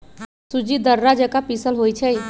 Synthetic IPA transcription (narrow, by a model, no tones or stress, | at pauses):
sud͡ʒid̪əɾːad͡ʒəkapisəlɦojt͡ʃʰəj